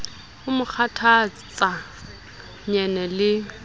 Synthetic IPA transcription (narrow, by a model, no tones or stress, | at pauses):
ʊmʊk͡xʰatʰa | t͡sʼa | ɲɛnɛlɪ